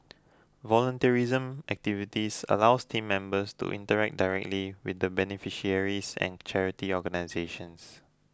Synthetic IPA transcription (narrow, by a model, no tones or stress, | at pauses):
vɔlə̃ntəɹizə̃mʔɛk̚tivitisə̰lawstʰĩmːɛ̃mbəstṵʔḭ̃ntəɹɛk̚daɪɹɛk̚tliwḭθdəbɛnifiʃiəɹisɛ̰̃nt͡ʃɛɹitiɔɡənaɪzeʃə̃ns